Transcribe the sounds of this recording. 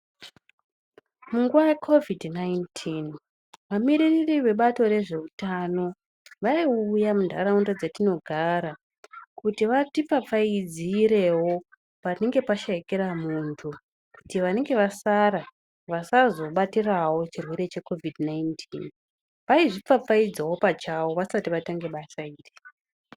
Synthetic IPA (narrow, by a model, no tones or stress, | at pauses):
muŋɡuʋajekʰo̞vidnajntʰin | ʋamiɾiririʋe̞ɓato̞ɾe̞ʐe̞utano̞ | ʋaiujamundʱa̰ɾaundad͡zatino̞ɡʱaɾa | kutiʋatip͡fap͡faid͡ziɾe̞wo̞ | pane̞ŋɡe̞paʃaikeɾamuntʰu | kutiʋane̞ŋɡe̞ʋasaɾa | ʋasazo̞ɓatirawo̞t͡ʃirwe̞ɾe̞t͡ʃe̞ko̞vidnaintʰin | ʋaiʐip͡fap͡faid͡zawo̞pat͡ʃawo̞ʋasatiʋataŋɡe̞ɓasaiːri